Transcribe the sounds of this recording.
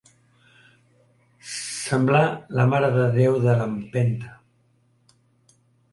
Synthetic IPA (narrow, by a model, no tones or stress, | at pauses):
səmblaləmaɾəðəðewðələmpent̪ə̥